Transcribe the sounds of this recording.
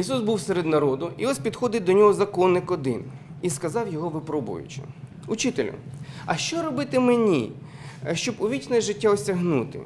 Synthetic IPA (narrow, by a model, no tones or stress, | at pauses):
isusbuwseɾed̪nɐɾɔd̪ʊiɔspʲid̪xɔd̪ɪt̚ʲd̪ɔnʲɔɦɔzɐkɔnːɪkɔd̪ɪn | iskɐzɑwjɔɦɔʋɪpɾɔbʊ̰jʊ̰t͡ʃɪ̥̰ | ʊt͡ʃɪt̪elʲʊ̰ɐʃt͡ʃɔɾɔbɪt̪ɪmenʲḭ | ʃt͡ʃɔbʊʋʲit͡ʃnɛjʒɪtʲːaɔsʲɐɦnut̪ɪ̰